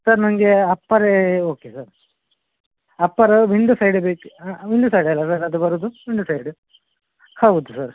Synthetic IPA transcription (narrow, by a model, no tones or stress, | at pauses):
sɐɾnɐŋɡeɐpːɐɾeoːkesɐɾ | ɐpːɐɾʋiɳɖusɐjɖbeːkʋiɳɖusɐjɖɐlːɐsɐɾɐd̪ubɐɾud̪uʋiɳɖusɐjɖu | hɐwd̪usɐɾ